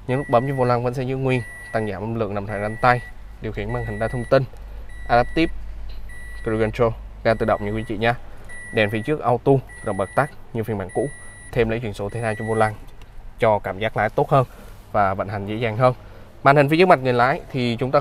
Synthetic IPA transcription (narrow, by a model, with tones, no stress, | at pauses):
ɲɨ̰˧˥ŋlu˦˥k̚ɓəː˨˦mt͡ɕɔ˧vo˧˩laː˧ŋvə̰˧˥nsɛ̰˧˥zɨ̰˧˥ŋwi˧ən | t̪a˧˩ŋzaː˧˩mʔə˧˩mlɨ̰˧˨əŋna˨˩t̪ʰaː˧˨˩za˧nt̪a˧j | ɗi˨˩wxi˧˩ənmaː˧nhï˨˩ŋ̟ɗaː˧˦t̪ʰə˧wŋ͡mt̪i˧n | ʔaː˧la˦˥p̚t̪i˦˥p̚ | ki˧ɣɛ˧nt͡ɕo˧zaː˧t̪ɨ̰˧˨ɗə̰˧˨wŋ͡mɲɨ̰˧˥kwi˧˦t͡ɕḭ˧˨ɲaː˧˦ɗɛ˨˩fi˧˦t͡ɕɨ˦˥ək̚ʔa˧wt̪u˧˨ɗə˨˩ŋ͡m̚ɓə˨˩t̚t̪a˦˥k̚ɲɨ˧fənɓaː˧˩nkṵ˧˥ | t̪ʰe˧mlə̰˧˥t͡ɕwi˧˩nso˨˦t̪ʰe˨˦naː˧t͡ɕɔ˧vo˧˩laː˧ŋt͡ɕɔ˧kaː˧˩mzaː˦˥k̚la̰ː˧˥˦jt̪o˦˥t̚həː˧n | vaː˨˩və̰˧˨nha˨˩ŋ̟zḛ˧˥zaː˨˩ŋɦəː˧n | maː˧˨nhï˨˩fkma̟˨˩ŋɨ˨˩əjla̰ː˧˥jt̪ʰi˨˩t͡ɕʊ˨˦ŋ͡mt̪aː˧